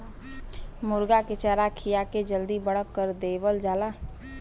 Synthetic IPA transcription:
mʊɾɡakɪt͡ʃəɾakʰijaked͡ʒəld̪ibəɽ̤əkːəɾd̪eːwəld͡ʒaːla

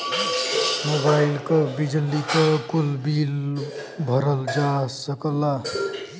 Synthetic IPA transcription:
mobaɪlkəbid͡ʒəlikəkʊlbiːlbʱəɾəld͡ʒasəkla

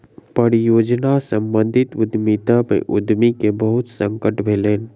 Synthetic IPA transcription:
pəɾijoːd͡ʒnasə̃mbə̃nd̪ʱɪt̪ʊd̪mit̪amḛ̃ʔʊd̪mikebəɦʊt̪sə̃ŋkəʈbʱeːleːn

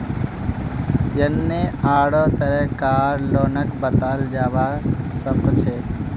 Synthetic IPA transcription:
jənːeaːɽoːt̪əɾɛɦkaːɾloːnəkbət̪aːld͡ʒaːʋasəbt͡ʃʰeː

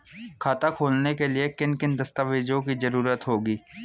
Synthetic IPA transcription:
kʰaːt̪akʰoːlnekeliekɪnkɪnd̪ɐst̪aːʋeːd͡ʒõkizɐɾuːɾət̪ɦoːɡiː

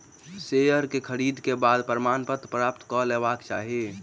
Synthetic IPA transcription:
seəɾkekʰəɾiːd̪ʱkebaːd̪pəɾmaːnpət̪pɾaːp̚t̪kɔleːʋaːkt͡ʃa̰ːɦe

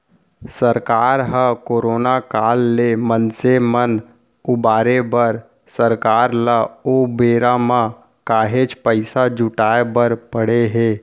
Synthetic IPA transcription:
səɾkaːɾɦə̃koːɾoːnakaːlːemənsemən | ʊbaːɾebəɾ | səɾkaːɾləobeːɾamã | kaːɦet͡ʃpəɪsad͡ʒʊʈaːebəɾpəɽ̤eɦeː

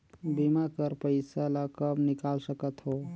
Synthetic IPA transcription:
bimakəɾpəɪsalakəbnɪkalsəkət̪ɦo

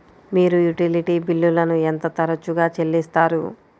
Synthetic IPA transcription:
miːɾujuʈiliʈiːbilːulɐnuent̪ɐt̪ɐɾɐt͡ʃːuɡaːt͡ʃelːist̪aːɾṵ

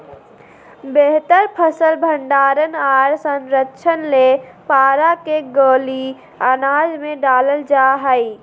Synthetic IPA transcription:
beɦt̪əɾpʰəsəlbʱəɳɖaːɾənaːɾsə̃nɾətːt͡ʃʰənlepaːɾakeɡoːli | anaːd͡ʒmẽɖaːləld͡ʒaɦəj

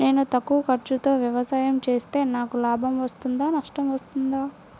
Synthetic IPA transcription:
ne̞ːnut̪ɐkːuːkɐɾt͡ʃut̪o̞ːʋjɐʋɐsaːjɐmt͡ʃe̞ːst̪e̞ːnaːkulaːbʱɐmʋɐst̪und̪aːnɐʂʈɐmʋɐst̪und̪aː

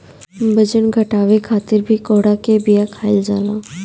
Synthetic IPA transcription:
bəd͡ʒənɡʱɐʈaːʋekʰaːt̪ɪɾbʱikoːɽakebijakʰaːɪld͡ʒaːlãː

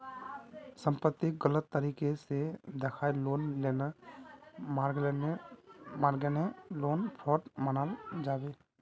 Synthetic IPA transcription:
sə̃mpət̪ːiɡələt̪ːəɾiːkesed̪ekʰaːiloːnleːna | mːɾɡlenemaːɾɡeneloːnpʰɔːʈmənald͡ʒaːbeː

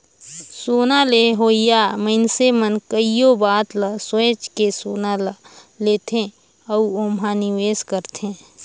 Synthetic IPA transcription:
soːnaːleɦoːijaməɪnsemənkəijobaːt̪laswet͡ʃkesoːnala | leːt̪ʰẽ | əuoːmɦaːniʋeːskəɾt̪ẽː

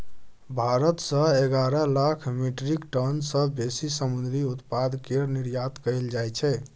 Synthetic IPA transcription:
bʱaɾət̪sə̃eɡaɾəlakʰmiʈɾikʈənsəbesisəmund̪ɾiut̪pad̪keɾniɾjat̪kəld͡ʒajt͡ʃʰɛ

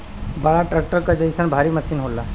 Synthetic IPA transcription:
balaʈɾek̚ʈəɾkəd͡ʑəjsənbʱaɾiːməsiːnɦola

